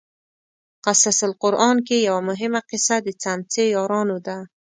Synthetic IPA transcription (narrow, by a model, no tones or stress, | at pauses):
qasasɪlqʊɾʔɑnkejawamʊɦɪmaqɪsad̪ət͡sant͡sejɑɾɑnod̪a